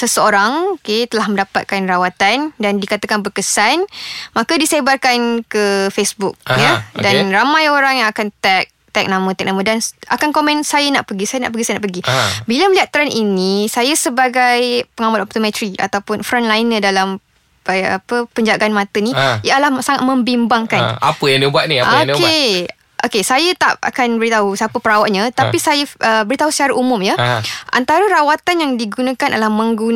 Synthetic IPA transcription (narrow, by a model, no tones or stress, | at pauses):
səsəoɾaŋoket̪əlahmə̃ndapat̪̚kanrawat̪andandikat̪akanbərkəsanmãkadisebarkankəfesbuk̚jadanramãjoɾaŋjaŋakant̪ɛk̚t̪ɛk̚nãmə̃t̪ɛk̚nãmədanakankomɛ̃nsajanaʔpəɡisajana̰ʔpəɡisajnaʔpəɡibilaməliat̪ːɾaninisajasəbaɡajpəŋamat̪ɔp̚t̪omɛ̃t̪ɾia̰t̪awpʊnfɾanlainədalam | a̰pəpəɲd͡ʒaɡanmãt̪ənĩjalahsaŋat̪̚mə̃mbimbaŋkana̰pəjãŋdibuat̪̚niaodike | ʔokesajat̪aʔa̰kanbəɾit̪aɦusapəpəɾawaʔ̚ɲãt̪aisajəəbəɾit̪aɦusə̥t͡ʃaɾaʔumʊ̃mjəʔa̰nt̪aɾəɾawat̪anjaŋdiɡunãkanʔa̰lahmə̃ŋɡun